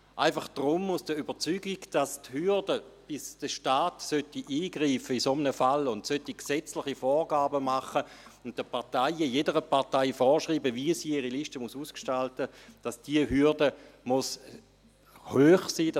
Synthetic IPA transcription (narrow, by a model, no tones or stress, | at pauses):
ʔaɪfɑχd̥ʁʊmːusd̥əybət͡syɡiɡd̥asthydəb̥ɪsd̥əʃtaːtsœtiʔiːɡʁiːfəisomənəfalʊntsøtiksɛt͡slɪχifɔːʁɡaːbəmaχəʊnt̚d̥əpaʁtaɪijedəʁəpaʁtaɪfɔːʁʃʁiːbəviəsiːiʁiliʃtəmusuːskʃtaltəd̥asd̥iəɦydəmus | høːχsiːd